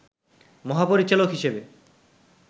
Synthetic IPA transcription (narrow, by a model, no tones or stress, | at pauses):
mɔɦapoɾit͡ɕalokɦiʃebe